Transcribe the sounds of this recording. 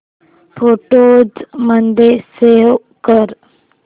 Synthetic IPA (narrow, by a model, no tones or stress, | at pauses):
pʰoːʈoːd͡ʒmənd̪ese | kəɾ